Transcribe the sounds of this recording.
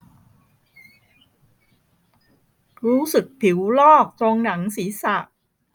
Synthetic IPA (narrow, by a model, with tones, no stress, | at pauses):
ɾuː˦˥sɯ˨˩k̚pʰi˩˦wlɔː˥˩k̚t̪oː˧ŋna˩˦ŋsiː˩˦sa˨˩ʔ